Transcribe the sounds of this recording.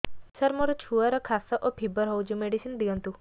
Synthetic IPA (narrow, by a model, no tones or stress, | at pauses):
səɾmoɾut͡ʃʰuaɾɔkʰasəʔopʰibəɾɦɔwd͡ʒumeɖisind̪iə̃nt̪u